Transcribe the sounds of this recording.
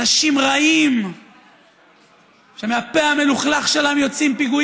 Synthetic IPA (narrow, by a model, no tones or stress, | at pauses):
aʃimʁaim | ʃe̞meapeameluχlaχʃelamjo̞t͡simpiɡu